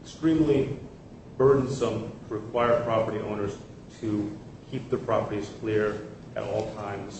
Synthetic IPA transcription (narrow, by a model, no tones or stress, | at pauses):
kstɹ̥ĩmli | b̥ɜ˞dⁿn̩sʌ̃mtʰəɹɨkʰw̥aɪə˞pʰɹ̥ɑpə˞ɾiʔõ̰ʊ̃nə˞z̥ | tʰɨ | kʰip̚ðəpʰɹ̥ɑ̰pə˞ɾiz̥kʰl̥ɪɹʔɨ̰ɾɔ̰lˠtʰãɪ̃mz̥